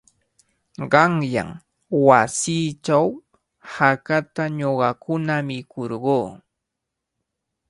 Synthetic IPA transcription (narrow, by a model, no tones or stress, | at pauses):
ɢɑŋja̰ŋ | wasiːt͡ʃaw | hakat̪aɲoɢɑkʊnamɪkʰoɾɢoː